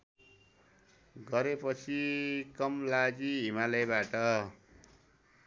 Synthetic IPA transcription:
ɡʌɾepʌt͡sʰikʌmlad͡ziɦimalʌbaʈʌ

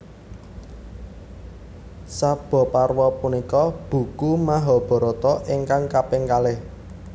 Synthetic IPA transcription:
sab̥ɔ̤parwɔpunikɔb̥ṳkumaɦɔb̥ɔ̤ɾɔt̪ɔʔeŋkaŋkapeŋkalɪh

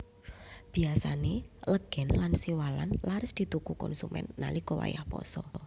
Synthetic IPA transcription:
b̥iasaneləɡ̥ɛ̤nlansiwala̰nlaɾɪsd̪̥i̤t̪ukukɔ̰nsumɛ̰nːa̰likɔwa̰jahpɔ̰sɔ

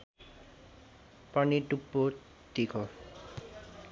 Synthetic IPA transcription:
pʌniʈupːo | t̪ikʰo

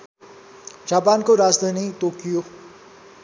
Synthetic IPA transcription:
d͡ʒaːpaːnkoɾaːd͡ʒd̪ʱaːnit̪oːkijo

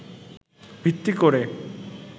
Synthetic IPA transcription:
bʱit̪ːikoɾe

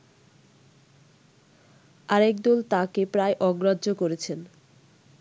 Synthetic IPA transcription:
aɾɛkd̪olt̪akepɾaeʔɔɡɾadʑokoɾet͡ɕʰen

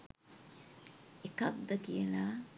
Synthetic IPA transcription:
ekak̚d̪əkijenaː

